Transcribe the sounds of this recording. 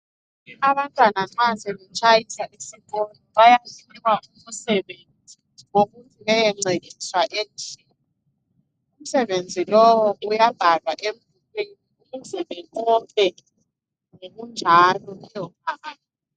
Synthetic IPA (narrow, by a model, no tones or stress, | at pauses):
aβantʼwanaǁasɛβɛt͡ʃʼajisaʔisiɓɔnɔβajatʰimaumusɛβenʱid͡zʱiwoβuntʼuβɛjɛŋ͡ǀeɣiswaʔend͡ʒʱiːn | i | um̩sɛβend͡zʱilɔwɔujab̥ʱalwaʔeɱ | ukwiniuɣuzɛβɛɔpʼɛ | ŋoɣund͡ʒʱalɔujɔp̚ʰaaːtɔ